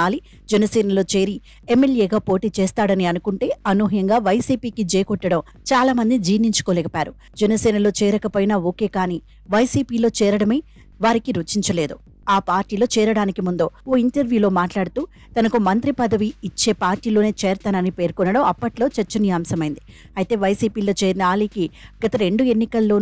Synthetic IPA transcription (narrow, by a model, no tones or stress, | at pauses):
aːli | d͡ʒɛnɐsɛːnɐlo̞ːt͡ʃe̞ːɾi | emːeljeːɡaːpo̞ːʈiːt͡ʃɛːst̪aːɽɐniɐnukuɳʈe̞ːɐnuɦɐjɐŋɡaːʋɐjsiːpiːkid͡ʒeːkɔʈːɐɽɐm | t͡ʃaːlaːmɐnd̪id͡ʒiːʋniɲt͡ʃu̥koːlɛkɐpaːɾu | d͡ʒɛnɐsɛːnɐlo̞ːt͡ʃɛːɾɐkɐpɐjnaːo̞ːke̞ːkaːniː | ʋɐjsiːpiːlo̞ːt͡ʃɛːɾɐɽɐmeː | ʋaːɾikiɾut͡ʃiɲt͡ʃɐle̞ːd̪u | aːpaːɾʈiːlo̞ːt͡ʃɛːɾɐɽaːnikimund̪o̞ːo̞ːiɳʈɐɾʋjuːlo̞ːmaːʈlaːɽut̪uː | t̪ɐnɐkumɐnt̪ɾipɐd̪ɐʋiːt͡ʃːe̞ːpaːɾʈiːlo̞ːneːt͡ʃɛːɾt̪aːnɐnipe̞ːɾkɔnːɐɽɐmɐpːɐʈlo̞ːt͡ʃɐɾt͡ʃːɐnijaːmsɐmɐjind̪i | ɐjit̪e̞ːʋɐjsiːpiːlo̞ːt͡ʃeːɾinɐaːliːkiɡ̥ɐt̪ɐɾe̞ɳɖue̞nːikɐlːo̞ː